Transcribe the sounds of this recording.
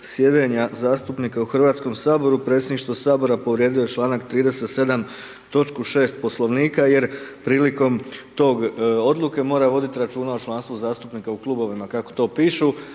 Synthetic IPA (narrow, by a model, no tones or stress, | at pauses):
sje̞d̪eɲazaːst̪upnikauxrʋaːt̪sko̞msaːbo̞ɾupɾe̞t̪sjed̪niʃt̪ʋo̞saːbo̞ɾapo̞ʋɾje̞ːd̪ijo̞jet͡ʃlˠaːnakt̪ɾiːd̪e̞se̞t̪se̞d̪am | t̪o̞t͡ʃkuʃe̞ːst̪̚po̞slˠo̞ʋniːkaje̞ɾpɾiːliko̞mt̪o̞ɡo̞d̪luke̞mo̞ːɾaʋo̞d̪it̪iɾat͡ʃuːnaot͡ʃlˠanst̪ʋuzaːst̪upnikauklˠuːbo̞ʋimakako̥t̪o̞ːpiːʃu